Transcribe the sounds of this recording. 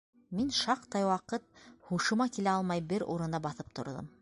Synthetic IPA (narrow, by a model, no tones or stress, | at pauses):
minʃɑqt̪ɑjwɑqɤt̪̚huʃɤ̆mɑkilæɑlˠmɑjbɘɾṵɾɤ̆nd̪ɑbɑθɤp̚t̪ŏ̰ɾðo̰m